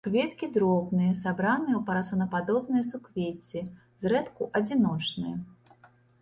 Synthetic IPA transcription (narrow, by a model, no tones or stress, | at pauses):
kvʲet̪kʲid̪ɾɔbnɨjɐsabɾanɨjɛwpɐɾɐsɐwnɐpad̪ɔbnɨjɛsukvʲet͡sʲɛ | zɾɛt̪kuʔɐd͡zʲinɔt͡ʂnɨjɛ